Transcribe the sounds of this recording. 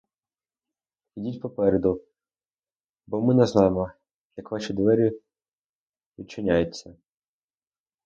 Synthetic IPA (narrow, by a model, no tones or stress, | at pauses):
idʲitʲpɔpɛɾed̪ʊ | bɔmɪnɛznɑjemɔ | jɐkʋɑʃʲid̪ʋɛɾʲi | ʋʲit͡ʃːɪnʲajɛt͡sʲːɐ